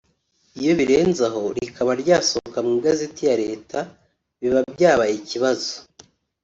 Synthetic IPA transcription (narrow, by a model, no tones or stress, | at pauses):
ijo̞βiɾe̞ːnzaɦo̞ɾikʰaβaɾɟaːsohokamŋiːɡazetijaɾe̞ːtʰa | βiβabɟaːβaiciβazo̥